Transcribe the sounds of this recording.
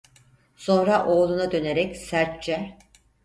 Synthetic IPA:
so̞nɾaʔo̞ːlˠunad̪ø̞ne̞ɾɛcsæɾt̪t͡ʃɛ

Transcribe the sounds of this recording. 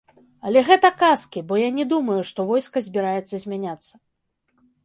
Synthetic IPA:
ɐlʲɛɣɛt̪ɐkaskʲibɔjanʲɛd̪umɐjuʂt̪ɔvɔjskɐzʲbʲiɾajɛt̪sːɐzʲmʲanʲat̪sːɐ

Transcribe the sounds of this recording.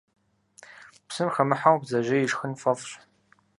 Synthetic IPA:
psɨmxɐmɨħawbzɐʒɐjɪʒxənfɐfɕ

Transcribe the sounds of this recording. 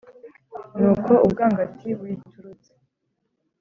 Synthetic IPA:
nuːkʰo̞ʔub̚ɡaːŋɡatʰibwituɾut͡se̥

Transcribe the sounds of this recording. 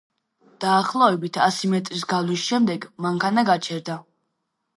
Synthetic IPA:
d̪̥aːχlˠɔɛbit̪ʰasimɛt̪ʼɾisɡalisʃɛmd̪ɛɡmaŋkʰanaɡat͡ʃʰɛɾd̪a

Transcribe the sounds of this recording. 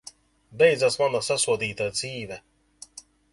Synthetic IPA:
bɛjd̪zasmanasasuɔd̪iːt̪ad̪ziːvɛ

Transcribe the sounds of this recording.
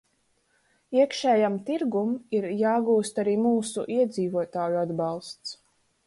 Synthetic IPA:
iɛkʃɛːjamt̪iɾɡumiɾjaːɡuːst̪aɾiːmuːsṵʔiɛd̪ziːvuɔt̪aːjuad̪bɑlˠst̪s

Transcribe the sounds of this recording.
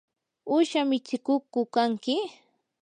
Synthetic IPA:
ʊʃamɪt͡ʃɪkʊkʊkaŋkɪ

